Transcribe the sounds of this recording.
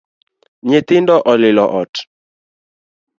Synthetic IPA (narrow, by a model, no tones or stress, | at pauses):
ɲet̪ɪndɔʔɔlɪlɔʔɔt